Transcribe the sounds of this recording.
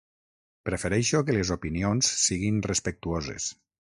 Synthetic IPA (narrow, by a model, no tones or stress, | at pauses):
pɾefeɾɛʃokelezopinionsːiɣinrespek̚t̪uozḛs